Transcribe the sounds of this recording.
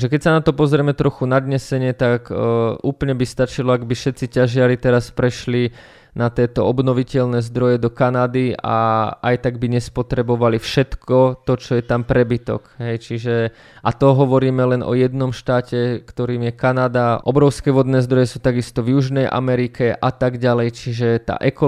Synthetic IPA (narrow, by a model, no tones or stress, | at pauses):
ʒɛkɛcsanat̪ɔpɔzɾɛmɛt̪ɾɔxunad̪ɲɛsɛɲɪɛt̪akuːpl̩ɲɛbist̪at͡ʃilɔaɡbifʃɛt̪t͡sicaʒɪaɾit̪ɛɾaspɾɛʃli | nat̪ɪɛːt̪ɔɔbnɔʋicɛʎnɛːzd̪ɾɔjɛd̪ɔkanad̪ia̰a̰jt̪aɡbiɲɛspɔt̪ɾɛbɔʋalifʃɛt̪kʰɔt̪ɔt͡ʃɔjɛt̪ampɾɛbit̪ɔ̰kɦɛjt͡ʃiʒɛ | ʔat̪ɔɦɔʋɔɾiːmɛlɛnʔɔ̰jɛd̪nɔmʃt̪aːcɛkt̪ɔɾiːmjɛkanad̪aʔɔbɾɔʊskɛːʋɔd̪nɛːzd̪ɾɔjɛsuːt̪aɡist̪ɔvjuʒnɛjʔa̰mɛɾikɛʔat̪aɡɟalɛjt͡ʃiʒɛt̪a̰ːʔɛkɔ